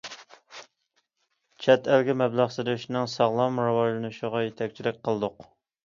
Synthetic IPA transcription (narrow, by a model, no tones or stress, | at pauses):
t͡ʃʰɛt̪ælɡʲimɛblˠɑʁsɨd̪ɨyʃnɨŋsɑʁlˠɑmɾɑwɑʒlˠɨnuʃɪʁɑjet̪ʰɛk̚ʲt͡ʃʰilɪk̚ʲqʰəlˠɨd̪ʊq